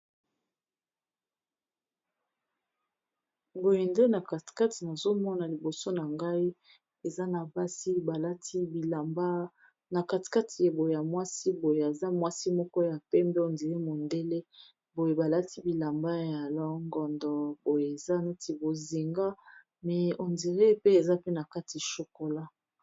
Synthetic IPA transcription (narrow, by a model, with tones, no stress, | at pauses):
bo˨je˨nde˦na˨ka˨tka˦ti˨na˨zo˦mɔ˦na˨li˨bo˨so˦na˨ŋɡa˦i˦ | e˨za˦na˨ba˦si˦ba˨la˦ti˦˨ba˦ | na˨ka˨ti̥˨ka˦ti˨je˨bo˨je˨ja˨mwa˦si˦bo˨je˨a˨za˦mwa˦si˦mɔ˦kɔ˦ja˨pɛ˦mbe˦o˨ndi˨ʁe˦mo˨nde˦le˦ | bo˨je˨ba˨la˦ti˦bi˨la˨mba˦ja˨lɔ˦ŋɡɔ˨ndɔ˨bo˨je˨e˨za˦na˦ti˨bo˨zi˨ŋɡa˦ | mɛ˨o˨ndi˨ʁe˦pe˦e˨za˦pe˦na˨ka˦ti˨ʃo˨ko˨la˦